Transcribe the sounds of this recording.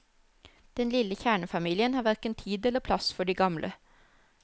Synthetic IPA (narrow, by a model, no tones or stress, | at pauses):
d̪̥ɛnlɪləçæːɳəfɑmiːlɪənhɑːʋæʁkənt̪ʰiːd̪ɛləpʰlɑsfɔɖiːɡɑmlʔə̰